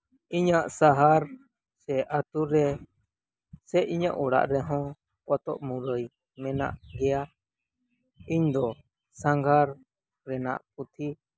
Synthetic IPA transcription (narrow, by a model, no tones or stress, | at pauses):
iɲaʔsaɦaɾ | sɛʔat̪uɾɛ | sɛʔiɲa̰ʔɔɽa̰ʔɾɛɦɔ̃ | kɔt̪ɔ̰ʔmuɾəj | mɛna̰ʔɡɛja | iɲd̪ɔ | sãŋɡʱaɾ | ɾɛna̰ʔput̪ʰi